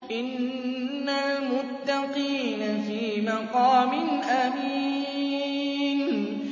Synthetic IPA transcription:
ʔɪnː | almʊt̪ːɑqiːnafiːmɑqɑːmɪnʔamiː | n

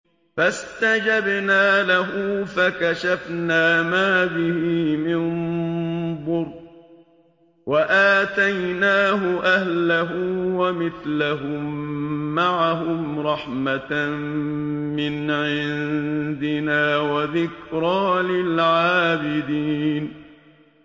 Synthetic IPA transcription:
fast̪ad͡ʒabnaːlaɦʊfakaʃafnaːmaːbɪhiːmɪn | d̪ˤʊɾ | waʔaːt̪ajnaːɦʊʔahlaɦʊwamɪθlaɦʊmːaʕaɦʊmɾˤɑħmat | mɪnʕɪnnd̪ɪnaːwaðɪkɾˤɑːlɪlʕaːbɪd̪iːn

